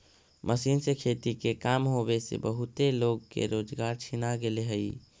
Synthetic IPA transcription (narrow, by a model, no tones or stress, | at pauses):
mʔəsinsekʰet̪ikekamɦobesḛbəɦut̪eloɡ̚kḛɾod͡ʒɡaɾt͡ʃʰinaɡeleɦəi